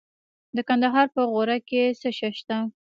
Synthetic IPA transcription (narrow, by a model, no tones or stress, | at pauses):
d̪əkand̪aɦɑɾpəɣoɾakesəʃaʃt̪a